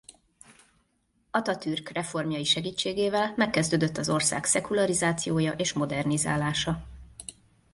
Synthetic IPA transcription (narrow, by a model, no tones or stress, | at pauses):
ɒt̪ɒt̪yrkrɛfo̞rmjɒjiʃɛɡiːt͡ʃːeːɡeːvɛlmɛkːɛzd̪øːd̪ø̞t̪ːɒzo̞rsa̰ːksɛkulɒɾizaːt̪sijoːjɒʔeːʃmo̞d̪ɛrniza̰ːlaːʃɒ